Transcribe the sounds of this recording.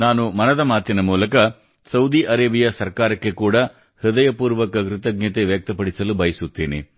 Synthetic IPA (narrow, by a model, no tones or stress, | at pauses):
naːnumɐnɐd̪ɐmaːt̪ːinɐmuːlɐkɐ | sɐwd̪iʔɐɾeːbijɐsɐɾkaːɾɐkːe̞kuːɽɐ | hɯd̪ɐjɐpuːɾʋɐkɐɡɾɪt̪ɐɡ̚ɲɐt̪eʋjɐk̚t̪ɐpɐɽisɐlubɐjɐsut̪ːiːnḭ